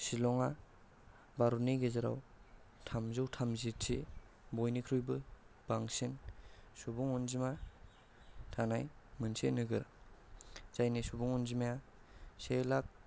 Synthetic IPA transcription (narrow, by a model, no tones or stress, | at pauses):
silɔŋa | baɾuniɡezaɾa̰w | tʰamzɯwtʰamzitʰi | bojnikʰɾujbɯ | b̥aŋsinsubuŋɔnzima | tʰanaj | mɯnsḛnɯɡɯɾ | z̥ajnisubuŋɔnzimaja | selak̚